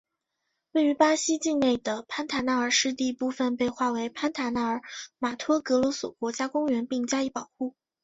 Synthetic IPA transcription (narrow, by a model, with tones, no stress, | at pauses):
we˥˩ɪy˧˥pa˥ɕi˥t͡ɕi˥˧ŋne˥˩ɪd̪ə˩pʰa˥nt̪ʰa˧˥na˧˥ə˞˨˩ʂɻ̩˥t̪̬i˥˧pu˥˩fə˨npe˥˧ɪxwa˥˩we˧˥ɪpʰa˥nt̪ʰa˧˥na˧˥ə˞˨˩ma˨˩t̪ʰwɔ˥kɤ˧˥lwɔ˧˥swɔ̰˨˩kwɔ˧˥t͡ɕja˥kʊ˥ŋɥɛ˧˥npi˥˩ŋt͡ɕja˥i˥˩pɑ˨˩ʊxu˥˩